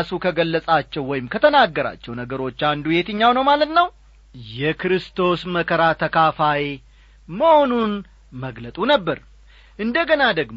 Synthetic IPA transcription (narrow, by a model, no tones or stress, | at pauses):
sukʰəɡəlːəsʼat͡ʃːɛwːɔjɪmkʰət̪ʰənaɡːəɾa̰t͡ʃːɛwnəɡəɾo̞t͡ʃːand̪uje̞t̪ɨɲːawnəwmalət̪nəw | jɛkɾɨst̪ʰo̞sməkʰəɾat̪ʰəkʰafaj | məho̞nun | məɡlət̪ʼunəbːəɾ | ʔɨnd̪əɡənad̪əɡm